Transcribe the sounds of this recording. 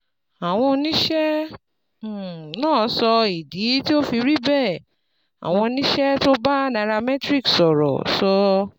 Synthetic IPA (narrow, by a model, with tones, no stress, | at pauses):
a˨w̃ɔ̃˧nĩ˦ʃɛ̃˦˨ | nãː˦˨˧sɔ˧i˨di˨˦ti˦o˦fi˧ɾi˦bɛ˦˨ | a̰˨w̃ɔ̃˧nĩ˦ʃɛ˦to˦ba˦nã˧ɾa˧mɛ˦tɾi˦˨ksɔ˨ɾɔ̰˨sɔ˧